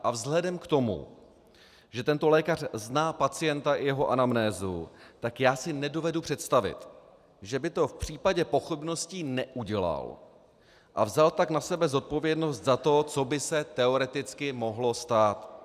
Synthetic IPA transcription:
ʔavzɦlɛdɛmkt̪o̞mṵ | ʒɛt̪ɛnt̪o̞lɛːkar̝̥znaːpat͡sɪjɛnt̪aʔɪjɛɦo̞ʔanamnɛːzṵt̪akjaːsɪnɛdo̞vɛdupr̝̥ɛt̪st̪avɪ̰t̪ | ʒɛbɪt̪o̞fpr̝̥iːpaɟɛpo̞xɪbno̞scinɛʔuɟɛla̰l | ʔavzalt̪aknasɛbɛzo̞t̪̚po̞vjɛdno̞st̪zat̪o̞t͡so̞bɪsɛt̪ɛo̞ɾɛt̪ɪt͡skɪmo̞ɦlo̞st̪aːt̪

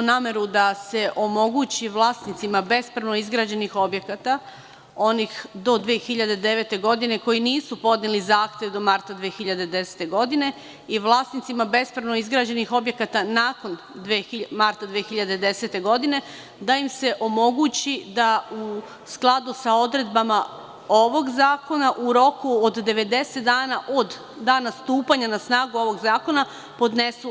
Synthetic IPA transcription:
unaːme̞ɾud̪ase̞ʔo̞mo̞ɡut͡ɕiʋlˠaːst̪nit̪simabe̞spɾaʋno̞izɡɾaːd͡ʑe̞nixo̞bje̞kat̪a | o̞nixd̪o̞d̪ʋeːxiʎad̪e̞d̪e̞ʋe̞t̪e̞ɡo̞d̪ine̞ko̞jiniːsupo̞d̪nʲelizaːxt̪jeʋd̪o̞maɾt̪ad̪ʋeːxiʎad̪ed̪e̞se̥t̪e̞ɡo̞d̪ine̞ | iʋlˠaːst̪nit̪simabe̞spɾaʋno̞izɡɾaːd͡ʑe̞nixo̞bje̞kat̪anaːko̞n | d̪ʋeimaɾt̪ad̪ʋexiʎad̪e̞d̪e̞se̞t̪e̞ɡo̞d̪ine̞ | d̪aimse̞ʔo̞mo̞ɡut͡ɕid̪au | sklˠad̪usao̞d̪ɾe̞d̪bama | o̞ʋo̞ɡzaːko̞naʔuɾo̞kuod̪ːe̞ʋe̞d̪e̞set̪d̪aːnaʔo̞d̪ | d̪aːnast̪uːpaɲanasnaːɡuo̞ʋo̞ɡzaːko̞na | po̞d̪ne̞su

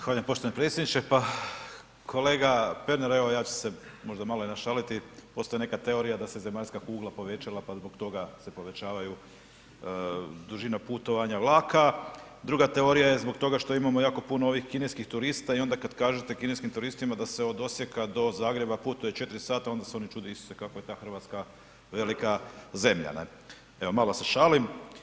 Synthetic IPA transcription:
xaːʎiampo̞ʃt̪oanepɾet̪sjed̪nit͡ɕe̞pa | kʰo̞leːɡape̞ɾneɾeʋojaːt͡ɕe̥se̞mo̞ʒd̪amaloinaʃalit̪ipo̞st̪ajene̞kat̪eo̞ɾijad̪aseze̞maʎskakuːɡlˠapo̞ʋe̞t͡ɕalˠapazbo̞ɡt̪o̞ɡase̞po̞ʋe̞t͡ɕaːʋaju | d̪uʒinaput̪o̞ʋaɲaʋlˠaːkʰad̪ɾuɡat̪e̞o̞ɾijaje̞zbo̞ɡt̪o̞ɡaʃt̪o̞imamo̞jaːko̞punoo̞ʋixkineskixt̪uɾist̪aio̞nd̪akad̪kaːʒet̪e̞kineskimt̪uɾist̪imad̪ase̞o̞d̪o̞sje̞kad̪o̞zaːɡɾe̞baput̪uje̞t͡ʃe̞t̪iɾisaːt̪aond̪aseo̞nit͡ʃuːd̪eiso̥sekakoje̞t̪aːxr̩ʋat̪ska | ʋe̞likaze̞mʎa̰nḛ | e̞ʋo̞malˠose̞ʃaːlim

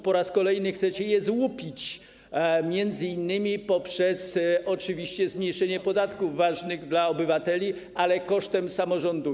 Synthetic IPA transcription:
pɔɾaskɔlɛjnɘxt̪sɛt͡ɕɛjɛzwupʲit͡ɕ | mʲjɛnd̪zɘinːɘmʲipɔpʂɛsɔt͡ʂɘvʲiɕt͡ɕɛzmʲɲejʂɛɲɛpɔd̪at̪kuvːaʐnɘɣd̪laɔbɘvat̪ɛlʲi | alɛkɔʂt̪ɛmsamɔʐɔnd̪u

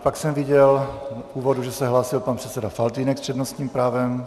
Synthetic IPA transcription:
paksɛmviɟɛluːvod̪uʒɛsɛɦlaːsilpanpr̥ɛt̪t͡sɛdafalt̪iːnɛkst͡ʃɛd̪nost̪ɲiːmpɾaːvɛm

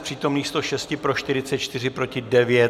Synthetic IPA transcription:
pr̝̥iːt̪o̞mniːxst̪o̞ʃɛscɪpɾo̞ʃt̪ɪɾɪtt͡sɛt̪t͡ʃt̪ɪrɪpɾo̞cɪdɛvjɛt̪

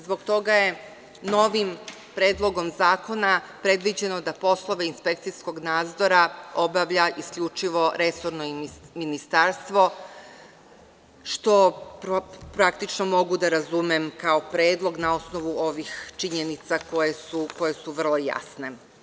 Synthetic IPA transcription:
zbo̞ɡt̪o̞ɡaje̞ | no̞ʋim | pɾe̞ːd̪lˠo̞ɡo̞mzaːko̞napɾe̞d̪ʋid͡ʑe̞no̞d̪apo̞slˠo̞ʋeinspe̞k̚t̪sisko̞ɡnaːd̪zo̞ɾao̞baʋʎaiskʎut͡ʃiʋo̞ɾe̞so̞ɾno̞minist̪aɾst̪ʋo̞ | ʃt̪o̞ppɾakt̪it͡ʃnomo̞ɡud̪aɾazumemkao̞pɾe̞ːd̪lˠo̞ɡnao̞sno̞ʋuo̞ʋixt͡ʃiɲenit̪sako̞jesuko̞je̞suʋr̩lˠo̞ja̰sne̞

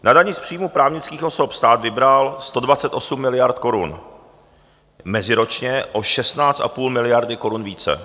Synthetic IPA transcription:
nadaɲɪspr̥ijmupɾaːvɲɪt͡skiːxʔo̞so̞pst̪aːt̪vɪbɾalst̪o̞dvat͡sɛt̪ʔo̞sumːɪlɪjaɾt̪ko̞ɾṵn | mɛzɪɾo̞t͡ʃɲɛʔo̞ʃɛst̪naːt͡st̪ʔa̰puːlmɪlɪjaɾdɪko̞ɾunviːt͡sɛ̰

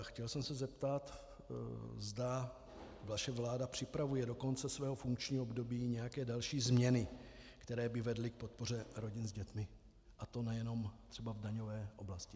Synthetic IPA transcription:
xcɛlsɛmsɛzɛpt̪at̪ | zda | vaʃɛvlaːdapr̝̥ɪpɾavujɛdo̞ko̞nt͡sɛsvɛːɦo̞fuŋkt͡ʃɲiːoobdo̞biːɲɛjakɛːdalʃiːzmɲɛnɪkt̪ɛɾɛːbɪvɛdlɪk̚po̞t̪̚po̞r̝ɛɾo̞ɟɪnzɟɛt̪mɪ | ʔat̪o̞nɛjɛno̞mt̪r̝̥ɛbavdaɲo̞vɛːʔo̞blascɪ

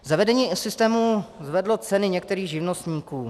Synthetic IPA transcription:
zavɛdɛɲiːsɪst̪ɛːmuzvɛdlo̞t͡sɛnɪɲɛkt̪ɛɾiːɣʒɪvnost̪ɲiːkuː

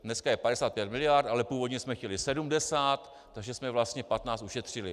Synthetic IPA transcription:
dnɛskajɛpadɛsaːt̪̚pjɛt̪mɪlɪjart̪ʔalɛpuːvo̞dɲɛsmɛxcɛlɪsɛdumdɛsaːt̪ː | aɡʒɛsmɛvlast̪ɲɛpat̪naːt͡st̪uʃɛt̪r̝̥ɪlɪ

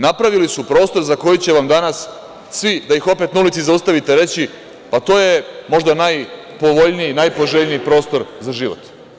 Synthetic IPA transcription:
napɾaʋilisupɾo̞ːst̪o̞ɾzako̞jit͡ɕe̞ʋamd̪anas | sʋid̪aixo̞pe̞t̪naulit̪sizaust̪aʋit̪e̞ɾe̞t͡ɕi | pat̪o̞je̞mo̞ʒd̪anaj | po̞ʋo̞ʎnijinajpo̞ʒeʎnijːipɾo̞ːst̪o̞ɾzaʒiːʋo̰t̪

